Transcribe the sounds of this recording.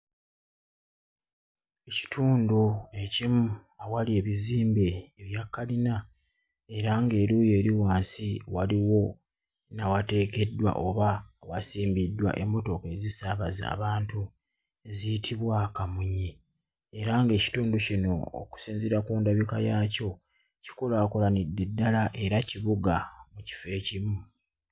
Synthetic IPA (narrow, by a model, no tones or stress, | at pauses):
eci̥tʰuːndue̞cimuawalie̞βiziːmbe̞ːβjakːalina | e̞ɾaŋɡe̞ːɾuːje̞ːɾiwaːnsiwaliwo̞ | nawate̞ːke̞dːwa̰ʔoβawasiːmbidːwa̰ʔe̞mːo̞to̞ke̞zisaβaza̰ːβaːntu | ezitʰiβwakamuɲi | eɾaŋɡe̞ːci̥tuːndocino̞̰ːku̥siːnzeɾakuːndaβikajaːco̞ | ci̥ko̞laːko̞lanidːe̞dːalaʔe̞ɾaciβuɡamuci̥fe̞ːcimu